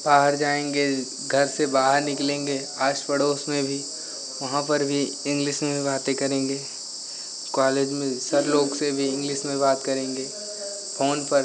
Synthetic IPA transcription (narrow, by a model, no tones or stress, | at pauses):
b̥aːɦəɾd͡ʒaːẽːŋɡe | ɡʱɐɾsebaːɦəɾnɪklẽːŋɡe | aːʃpəɽoːsmẽbʱi | ʋɐɦãpɐɾbʱi | ɪ̃ŋɡlɪʃmẽibaːt̪ekɐɾẽːŋɡeː | kaːleːd͡ʒmẽsɐɾloːɡsebʱiɪ̃ŋɡlɪʃmẽbaːt̪kɐɾẽːŋɡeː | pʰoːnpɐɾ